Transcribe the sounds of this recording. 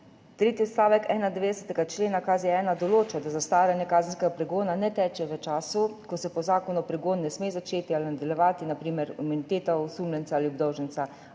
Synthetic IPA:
t̪ɾeːt̪iɔt̪st̪aːʋɛkɛːnad̪ɛʋeːd̪ɛsɛ̥t̪ɛɡat͡ʃleːnakaziɛɛːnad̪ɔloːt͡ʃɔd̪azast̪aːwljanjɛkaːzənskɛɡapɾɛɡoːnanɛt̪ɛːt͡ʃɛʋət͡ʃaːsukɔsɛpɔzaːkɔnɔpɾɛɡoːnːɛsmeːzat͡ʃeːt̪ialinad̪ɛljɛʋaːt̪inapɾiːmɛɾimunit̪eːt̪ɔusumlʲjɛntsaaːliɔb̚d̪ɔwʒɛnt̪sa

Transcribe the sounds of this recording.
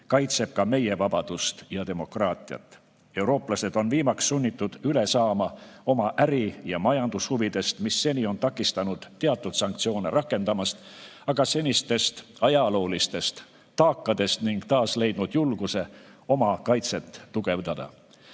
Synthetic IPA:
kɑjt̪se̞b̥̚kɑme̞je̞vɑb̥ɑd̪̥ust̪jɑt̪e̞mo̞krɑːt̪ʲˑiɑ̰t̪ːˑ | e̞wɾo̞ːplɑse̞d̪̥o̞nviːmɑksːunʲːit̪ˑːud̪̥yle̞sɑːmɑo̞mɑʔæɾijɑmɑjɑnd̪̥ushuvid̪̥e̞st̪misːe̞nʲio̞nt̪ɑkːˑist̪ɑnud̪̥ːeɑt̪ːˑud̪̥sɑŋkt̪sio̞ːneɾʔɑkːˑe̞nd̪ɑmɑst̪ɑɡ̥ɑse̞nʲist̪e̞st̪ɑjɑlo̞ːlist̪e̞st̪ː | ɑːkːˑɑd̪̥e̞st̪niŋɡ̥t̪ɑːsle̞jd̪nud̪̥julɡ̥use̞o̞mɑkɑjt̪se̞t̪ːuɡ̥e̞vd̪̥ɑd̪̥ɑ̰

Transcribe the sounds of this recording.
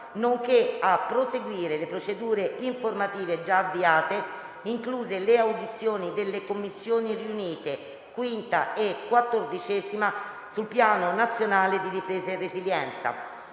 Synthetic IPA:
noŋkeapːɾoseɡwiːɾelepɾot͡ʃed̪uːɾeiɱformat̪iːved͡ʒaːvːiaːt̪e | iŋkluːzeleawd̪it̪sːjoːnid̪elːekomːisːjoːniriuniːt̪e | kwint̪a̰ekːwat̪ːord̪it͡ʃɛːzima | sulpjaːnonat̪sːjonaːled̪iɾipɾeːzarːeziljɛnt̪sa̰

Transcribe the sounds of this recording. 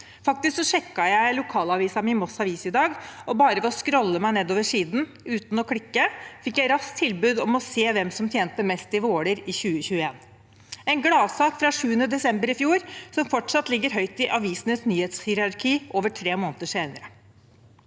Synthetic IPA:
fɑk̚t̪ɪsksɔʂɛkːɑjæɪlʊkʰɑːlɑʋiːsɑmɪnmɔsɑʋiːsɪd̪ɑːɡʔɔbɑːɾəʋɛɔskɾɔlːəmæɪneːd̪oːʋəʂiːd̪n̩ | ʉːt̪nɔkʰɽɪkːəfɪkːjæɪɾɑskt̪ʰɪlbʉːd̪ɔmɔseːʋɛmsɔmt̪ʰjeːnt̪əmɛst̪ɪʋoːɽəɾɪçʉːəçʉːəeːn | ɛɪnɡɽɑːʋsɑːkfɾɑʂʉːənəd̪ɛsɛmbəɾɪfjuːɾsɔmfɔʈʂɑt̪lɪɡːəɾɦœʏt̪ɪʔɑʋiːsənəsnyːhet̪shɪɾɑɾkʰiːʔoːʋəʈʰɾeːmoːnət̪əʂeɪnəɾə

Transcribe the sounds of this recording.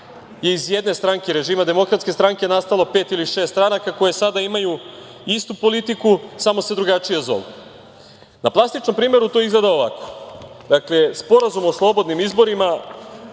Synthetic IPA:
je̞izjed̪ne̞st̪ɾaŋkeɾe̞ʒimad̪e̞mo̞kɾat̪skʲe̞st̪ɾaŋke̞nast̪alˠo̞peːt̪iliʃe̞ːst̪t̪ɾanakako̞jesad̪aimaju | ist̪upo̞lit̪ikusamo̞se̞d̪ɾuɡat͡ʃijazo̰lˠ | naplˠast̪it͡ʃno̞mpɾiːme̞ɾut̪oizɡled̪aoʋako̥ | d̪akle̞spo̞ɾazumoslˠo̞bo̞d̪nimizbo̞ɾima

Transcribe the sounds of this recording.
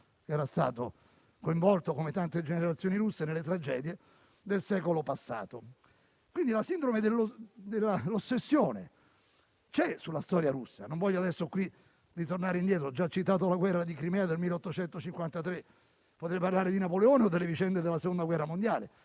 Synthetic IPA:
kɛːɾast̪a̰ːt̪o | koiɱvɔlt̪okomet̪ant̪ed͡ʒeneɾat̪sːjoːniɾusːenelːet̪ɾad͡ʒɛ̰ːd̪je | d̪elsɛːkolopasːa̰ːt̪o | kwind̪ilasind̪ɾomed̪elːod̪elːalosːesːjoːne | t͡ʃɛsulːast̪ɔːɾjaɾusːa̰noɱvɔʎːoad̪ɛsːokwi | rit̪ornaːɾeind̪jɛːt̪ɾoɔd͡ʒːat͡ʃːit̪aːt̪̬olaɡwɛrːad̪ikɾimɛːad̪elmilːeɔt̪ːot͡ʃɛnt̪ot͡ʃiŋkwant̪at̪ɾe | pot̪ɾeparlaːɾed̪inapoleɔːneod̪ːelːevit͡ʃɛnd̪ed̪elːasekond̪aɡwɛrːamond̪jaːle

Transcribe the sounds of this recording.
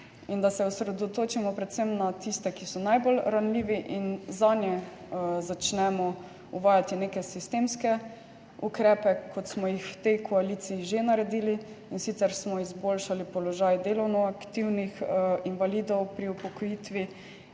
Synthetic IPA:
ind̪asɛusɾɛd̪ɔt̪oːt͡ʃimɔpɾɛt̪sɛmnat̪ist̪ɛkisɔnajbolɾanliːʋiʔinzaːnjɛ | zat͡ʃnɛmɔ | uʋaːjat̪ineːkɛsist̪emskɛ | ukɾɛːpɛkʰɔt̪smɔjixwt̪ɛjkʰɔaliːt̪siːʒenaɾɛd̪iːli | insit̪sɛɾsmɔizboːlʃalipɔlɔʒaːjd̪eːlɔwnɔakt̪iwnixinʋaliːd̪ɔwpɾiupɔkɔjit̪ʋi

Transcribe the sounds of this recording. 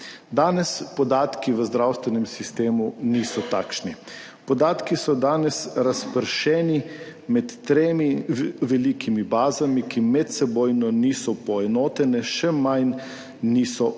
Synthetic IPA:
d̪aːnɛspɔd̪aːt̪kiʋəzd̪ɾawst̪ʋɛnɛmsist̪eːmuniːsɔt̪aːkʃni | pɔd̪aːt̪kisɔd̪aːnɛsɾaspəɾʃɛːnimɛt̪ːɾeːmiʋɛlikʰimibaːzamikimɛt̪sɛboːjnɔniːsɔpɔɛnoːt̪ɛnɛʃɛmajnː | iːsɔ

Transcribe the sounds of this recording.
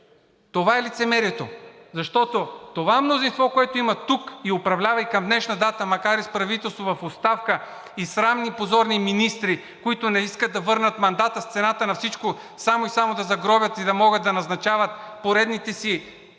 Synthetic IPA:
t̪ovaɛlit̪sɛmɛɾiɛt̪ozɐʃt̪ɔt̪ot̪ovaɛmnozinst̪vɔkoɛt̪oimɐt̪ukiopɾɐvlʲavɐikɐmd̪nɛʃnɐd̪at̪əmɐkaɾispɾɐvit̪ɛlˠst̪vovɐfot̪st̪afkə | isɾamnipozɔɾniminist̪ɾi | koit̪onɛiskəd̪d̪ɐvɤɾnət̪mɐnd̪at̪əst̪sɛnat̪ənɐfsit͡ʃko | samoisamod̪ɐzɐɡɾɔbʲjət̪id̪ɐmɔɡət̪ːɐnɐznɐt͡ʃavɐt̪̚poɾɛd̪nit̪ɛsi

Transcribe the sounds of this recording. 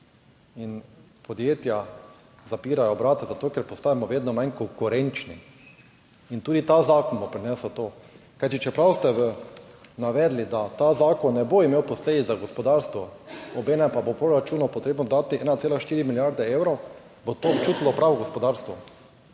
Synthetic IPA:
in | pɔd̪jeːt̪ja | zapiːɾajɔbɾaːt̪azat̪oːkɛɾpɔst̪aːjamɔʋeːd̪nɔmãnkoŋkuɾɛ̃nt͡ʃnḭ | int̪uːd̪it̪azaːkɔnbopɾinɛːsɔt̪oː | kajt̪it͡ʃɛpɾawst̪ɛʋənaʋɛːd̪lid̪at̪azaːkɔnːɛboimeːwpɔsleːd̪it̪zzaɡospɔd̪aɾst̪ʋɔɔbɛːnɛmpabopɾoɾat͡ʃuːnɔpoɔt̪ɾeːbnɔd̪aːt̪iʔɛːnat̪seːlaʃt̪iːɾimiljaɾd̪ɛewɾɔw | bot̪oːpt͡ʃuːt̪lɔpɾaːʋɔɡɔspɔd̪aɾst̪ʋɔ

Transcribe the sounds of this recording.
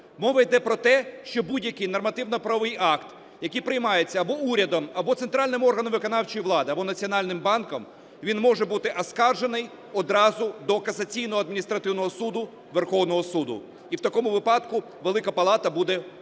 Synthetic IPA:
mɔʋɐjd̪ɛpɾɔt̪ɛʃt͡ʃɔbudʲjɐkɪjnɔrmɐt̪ɪwnɔpɾɐʋɪjɑkt̪ | jɐkɪjpɾɪjmɑjet͡sʲːɐɐbɔuɾʲɐd̪ɔmɐbɔt̪sent̪ɾɑlʲnɪmɔrɦɐnɔmʋɪkɔnɑwt͡ʃɔjiʋlˠɑd̪ɪɐbɔnɐt͡sʲiɔnɑlʲnɪmbɑnkɔm | ʋʲinmɔʒɛbut̪ɪʔɐskɑrʒenɪj | ɔd̪ɾɑzʊd̪ɔkɐzɐt͡sʲijnɔɦɔɐd̪mʲinʲist̪ɾɐt̪ɪwnɔɦɔsud̪ʊ | ʋerxɔwnɔɦɔsud̪ʊ̰ | iwt̪ɐkɔmʊʋɪpɑd̪kʊ | ʋelˠɪkɐpɐlˠɑt̪ɐbud̪ɛ

